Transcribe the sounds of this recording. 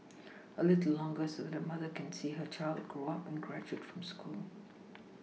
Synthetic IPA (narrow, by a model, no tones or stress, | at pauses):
əlɪtl̩lːɔ̃ŋɡəsodɛdəmʌðəkɛ̃nsiːɦət͡ʃaɪld̚ɡɹoapɛ̃nɡɹæd͡ʒuətfɹɔ̃mskʰulˠ